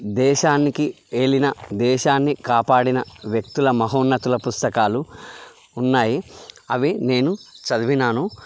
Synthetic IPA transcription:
d̪ɛːʃaːnːiki | e̞ːɭinɐd̪ɛːʃaːnːikaːpaːɽinɐʋjɐk̚t̪ulɐmɐɦoːnːɐt̪ulɐpust̪ɐkaːluː | nːaːjiɐʋine̞ːnut͡ʃɐd̪uʋinaːnu

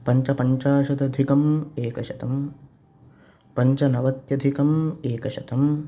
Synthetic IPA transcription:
pɐɲt͡ʃɐpɐɲt͡ʃaːʃɐd̪ɐd̪ʱikɐmeːkɐʃɐt̪ɐm | pɐɲt͡ʃɐnɐʋɐt̪jɐd̪ʱikɐmeːkɐʃɐt̪ɐm

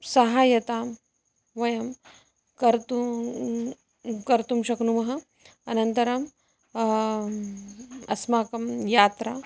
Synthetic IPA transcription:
sɐɦaːjɐt̪aːm | ʋɐjɐm | kɐɾt̪u | kɐɾt̪umɕɐknumɐɦɐ | ɐnɐnt̪ɐɾɐm | ɐ̰smaːkɐmjaːt̪ɾa

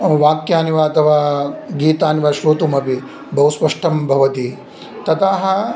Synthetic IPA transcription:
ʋaːkjaːniʋaɐt̪ʰɐʋaːɡiːt̪aːniʋaʃɾoːt̪umɐpi | bɐɦuspɐʂʈʰɐmbʱɐʋɐt̪i | t̪ɐt̪aːɦɐ

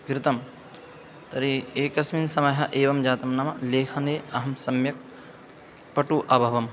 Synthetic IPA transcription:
ɡɾɪt̪ɐm | t̪ɐɾieːkɐsminsɐmɐɦɐʔeːʋɐmd͡ʒaːt̪ɐmnɐmɐleːkʰɐneːɐɦɐmsɐmjɐk̚ | pɐʈuʔɐbʱɐʋɐm

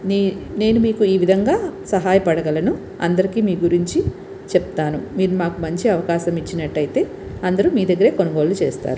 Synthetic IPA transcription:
ne̞ːnumiːkuiːʋid̪ʱɐŋɡaːsɐɦaːjɐpɐɽɐɡɐlɐnu | ɐ̰nd̪ɐɾikiːmiːɡuɾiɲt͡ʃi | t͡ʃɛpt̪aːnumiːɾumaːkumɐɲt͡ʃiɐʋɐkaːʃɐmit͡ʃːinɐʈːɐjt̪e̞ː | ɐnd̪ɐɾumiːd̪ɐɡːɐɾe̞ːko̞nɐɡo̞ːlut͡ʃḛːst̪a̰ːɾu

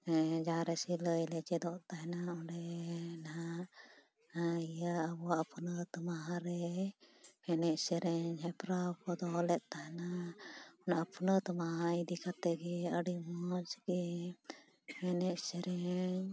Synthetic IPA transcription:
ɛd͡ʒaɾɛsiləjlɛt͡ʃɛd̪ɔʔt̪aɦɛnaɔɖɛnaɦaʔ | ijaːbɔwaʔpʰɔnət̪ɔmaɦaɾɛ | hɛnɛʔsɛɾɛɲɦɛpɾakɔd̪ɔlɛt̪̚ˀt̪aɦɛna | ɔnaʔapʰɔnət̪əmaɦaid̪ikat̪ɛɡɛəɽimɔt͡ʃɡɛ | hɛnɛʔsɛɾɛɲ

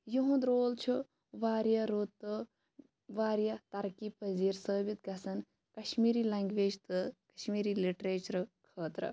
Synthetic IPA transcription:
juɦũnd̪ɾoːlt͡ʃʰu | ʋaːɾjaɾut̪ːɨ | ʋaːɾjɐt̪ɐɾkiːpɐziːɾsəːbit̪̚ɡɐsɐn | kɐʃmiːɾiːlɐŋɡʋeːd͡ʒt̪ɨkɐʃmiːɾiːliʈɾeːt͡ʃɐɾkʰəːt̪ɾɐ̰

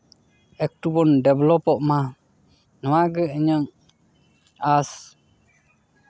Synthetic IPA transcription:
ɛk̚tubɔndɛblɔpɔʔma | nɔwaɡəəɲɔŋ | as

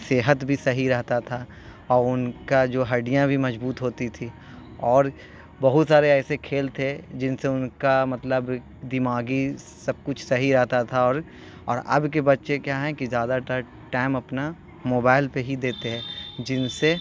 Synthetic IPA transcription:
seːɦət̪bʱisɐɦiɾɛɦt̪at̪ʰa | ɔːɾʊnkad͡ʒoːɦɐɖijãbʱimɐzbuːt̪ɦoːt̪it̪ʰi | ɔːɾ | bɐɦʊt̪saːɾeɛːsekʰeːlt̪ʰed͡ʒɪnseʊnkamɐt̪ləb | d̪ɪmaːɡi | sɐb̚kʊt͡ʃʰsɐɦiɾɛɦt̪at̪ʰaɔːɾ | ɔːɾɐ̰bk̬ebɐtːʃekjaɦɛ̃kizjaːd̪aʈ̪əɾ | ʈɛ̃ːɪ̃mɐpna | moːbaːɪlpeɦid̪eːt̪eɦɛ̃ːd͡ʒɪnse

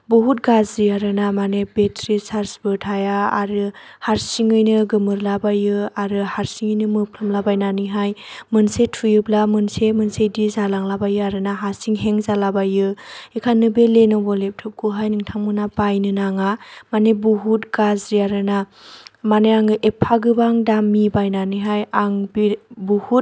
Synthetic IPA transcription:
buɦut̚ɡazɾiaɾɯnamanebetʰɾisaɾsbɯtʰajaːɾɯhaɾsiŋɯjnɯɡɯmɯɾlabajɯaɾɯhaɾsiŋɯjnɯmɯpʰlamlabajnaniɦajmɯnsetʰujɯblamɯnsemɯnsejdizalaŋlabajɯaɾɯnaɦaɾsiŋɦeŋzalabajɯekʰanɯbelenɔbɔlep̚tʰɯp̚kuɦajnɯŋtʰaŋmɯnapajnɯnaŋamanebuɦutɡazɾiaɾɯnamaneaŋɯʔepʰaɡɯbaŋdamːibajnanɯɦajaŋbibuhut̚

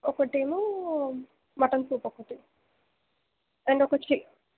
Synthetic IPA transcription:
ɔkɐʈimu | mɐʈɐnsuːpɔkːɐʈi | ɐɳɖɔkɐt͡ʃi

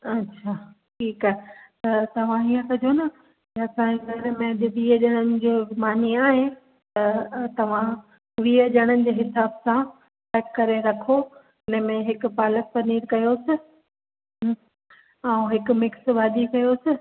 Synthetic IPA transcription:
ɐtːɕʰaːʈʰiːkaːɦet̪ɐt̪ɐʋ̤ãijə̃kɐd͡ʑʱonɐ | kɐsãd͡ʑeɡʱɐɾmẽd͡ʑɐɗ̪iəʄəɽ̃ənɪ̆d͡ʑeːmaːniaːɦẽ | t̪ɐt̪ɐʋ̤ã | ʋiːəʄɐɽ̃ənɪ̆d͡ʑeːɦɪsaːbsã | ʈɛːkːɐɾeɾɐkʰo | ɪnəmẽɦɪkʊ̆paːlək̪̚pɐniːɾkɐjosɪ | ãũɦɪkʊ̆mɪksbaːd̪ikɐjosɪ

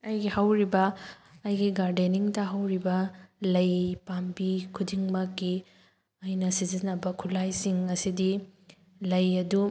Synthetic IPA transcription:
ɐjɡihawɾibɐː | jɡiɡaɾdeniŋtɐɦawɾibɐlɐjpambikʰudiŋmɐkɡi | ɐjnɐsizinɐbɐkʰulajsiŋɐsidi | lɐjɐdu

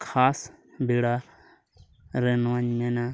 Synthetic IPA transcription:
kʰaːsbʱeːɽaː | ɾeːnʋãːɲmẽːnãː

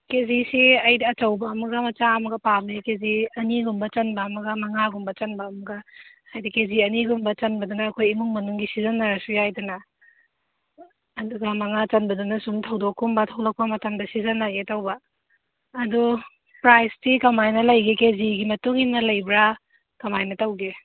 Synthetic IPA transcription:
kezisiɐjdiɐt͡ʃɐwbɐɐmɐɡɐmɐt͡ʃaɐmɐɡɐpamikeziɐniɡumbɐt͡ʃɐnbɐːmɐɡɐmɐŋaɡumbɐt͡ʃɐnbɐːmɐɡɐhajdikeziɐniɡumbɐt͡ʃɐnbɐdunɐːkʰojimuŋmɐnuŋɡisizɐnːaɾɐsujajdɐnɐ | duɡɐmɐŋat͡ʃɐnbɐdunɐsumtʰɐwdokːumbɐtʰɐwlɐk̚pɐmɐtamdɐsizɐnːaɡetɐwbɐː | du | pɾajstikɐmajnɐlɐjɡikeziɡimɐtuŋhimnɐlɐjbɾa | kɐmajnɐtɐwɡe

